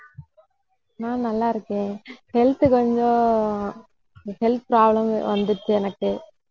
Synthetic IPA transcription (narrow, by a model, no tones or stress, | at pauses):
nãːnɐlːaːɪɾɯkːẽːhɛlt̪ɯkɔɲd͡ʒõ | hɛlt̪̚pɾaːblɐmʋɐnd̪ɯt͡ʃːɯɛnɐkːɯ